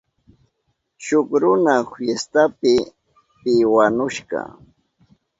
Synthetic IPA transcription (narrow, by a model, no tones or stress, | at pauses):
ʃʊkɾʊnahjest̪apɪ | pɪwanʊʃɢɑ̰